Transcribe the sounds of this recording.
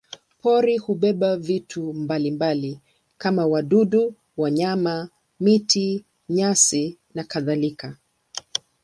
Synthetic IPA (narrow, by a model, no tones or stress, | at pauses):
pɔɾihuɓɛɓavitʰumbalimbali | kamawaɗuɗu | waɲama | miti | ɲasi | nakaðalika